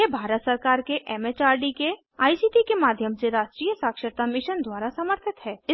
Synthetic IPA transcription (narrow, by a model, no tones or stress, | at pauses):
ebʱaːɾət̪səɾkaːɾkeʔɛmeːt͡ʃaːɾɖike | aːisiːʈikemaːd̪ʱjəmseɾaːʃʈɾiːjəsaːkʃəɾt̪amɪʃənd̪waːɾasɐməɾt̪ʰɪt̪ɦɛːɪ